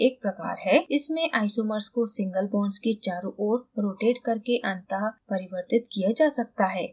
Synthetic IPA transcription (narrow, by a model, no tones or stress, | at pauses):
eːk̚pɾɐka̰ːɾɦɛɪsmẽʔaːɪsoməɾskosɪ̃ŋɡəlbɔ̃ːɳɖsket͡ʃaːɾuʔoːɾɾoːʈeːʈkɐɾkeʔɐ̃nt̪əɦpɐɾɪʋəɾt̪ɪt̪kijad͡ʒaːsɐk̚t̪aɦɛː